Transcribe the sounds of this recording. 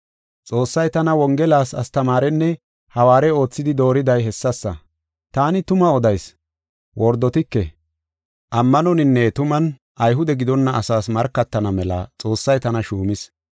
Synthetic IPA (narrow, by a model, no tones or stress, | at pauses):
t͡sʼo̞ːsːɐjt̪ɐnɐwɔŋɡɛlaːsɐst̪ɐmaːɾɛnːɛ | hɐwaːɾɛo̞ːt͡sːɪd̪ɪd̪o̞ːɾɪd̪ɐjɛsːɐsːɐ̰ | t̪aːnɪt̪ʊmɐɔd̪ɐjs | wʔɔɾd̪ɔt̪ɪkːɛ | ʔɐmːɐnɔnɪnːɛt̪ʊmɐn | ʔɐjɦʊd̪ɛɡɪd̪ɔnːɐʔɐsaːsmɐɾkːɐt̪ːɐnɐmɛlɐ̰t͡sʼo̞ːsːɐjt̪ɐnɐʃuːmɪs